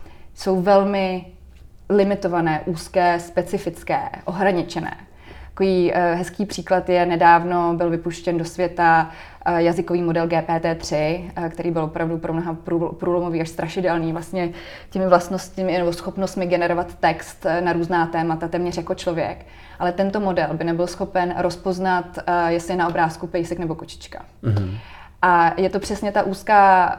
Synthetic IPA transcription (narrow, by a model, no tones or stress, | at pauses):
so̞wvɛlmɪ | lɪmɪt̪o̞vanɛːʔuːskɛːspɛt͡sɪfɪt͡skɛ̰ːʔoɦɾaɲɪt͡ʃɛnɛ̰ː | t̪ḁkoviːɦɛskiːpr̝̥iːklat̪jɛnɛdaːvno̞bɪlvɪpuʃcɛndosvjɛt̪a | jazɪkoviːmo̞dɛlɡɛːpɛːt̪ɛːt̪r̝̥ɪkt̪ɛɾʔiːbɪlvopɾavdupɾomnoɦapɾupɾuːlomoviːaʃst̪ɾʔaʃɪdɛlniːvlast̪ɲɛ | cɛmɪvlast̪noscɪmɪnɛbosxo̞pnost̪mɪɡɛnɛɾovat̪ːɛkst̪naɾuːznaːt̪ɛːmat̪at̪ɛːmɲɛr̝jako̞t͡ʃlo̞vjɛ̰k | ʔalɛt̪ɛnt̪o̞mo̞dɛlbɪnɛbɪlsxo̞pɛnɾo̞spo̞znat̪jɛslɪnaʔo̞bɾaːskupɛjsɛknɛbo̞kot͡ʃɪ̥t͡ʃka̰ | ʔajɛt̪o̞pr̝̥ɛsɲɛt̪aʔuːskaː